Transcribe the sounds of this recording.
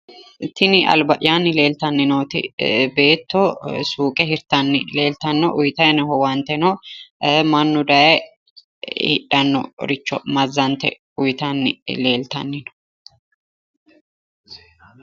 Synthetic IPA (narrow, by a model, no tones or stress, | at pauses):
t̪ɪnɪɐ̰lbɐʔɪjaːnːɪle̞ːlt̪ɐnːɪnoːt̪ɪ̰be̞ːt̪ːɔsuːkʼɛhɪɾt̪ɐnːɪle̞ːlt̪ɐnːɔʔʊjt̪ɐnhɔwɐnt̪ɛnɔ | mɐnːʊd̪ɐjɛ | hɪ̰ᶑɐnːɔ̰ɾɪt͡ʃːɔmɐzːɐnt̪ɛ̰ | ʊjt̪ɐnːɪ̰le̞ːlt̪ɐ̰nːɪnɔ̥